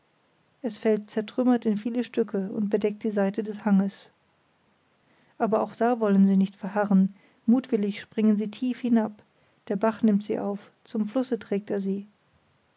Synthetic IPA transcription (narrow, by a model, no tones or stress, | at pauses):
ʔɛsfɛlt̚t͡sɛɐtʁ̥ʏmɐtɪnfiːləʃtʏkʰəʊ̰nt̚b̥ədɛk̚t̚d̥iːzaɪtədɛshaŋəs | ʔaːbɐaʊxd̥aːvɔlənziːnɪçtfɛɐɦaʁən | muːtv̥ɪlɪçʃpʁ̥ɪŋənziːtʰiːfhɪnap | d̥eːɐbaχnɪmtz̥ḭːʔaʊf | t͡sʊmflʊsətʁ̥ɛːk̚teːɐziː